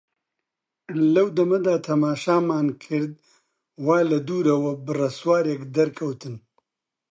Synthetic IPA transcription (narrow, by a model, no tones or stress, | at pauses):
lɐwd̪ɐmɐd̪aːt̪ʰɐmaːʃaːmaːnkʰəɾd̪̚ | wɑːlɐd̪uːɾɐwɐbɨrɐswɑːɾjekd̪ɐɾkʰɐwt̪ɨn